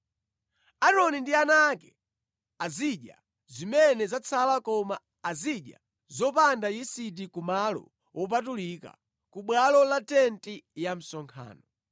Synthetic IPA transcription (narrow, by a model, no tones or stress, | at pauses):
aɾɔnindianakɛ | aziɗja̰ | zimɛnɛzat͡sʰalakɔmaː | ziɗja̰ | zɔpandajisit̬ikumalɔ̰ | wʔɔp̬atulika̰ | kuɓwalɔlatɛntʼijam̩sɔŋkʰa̰ːnɔ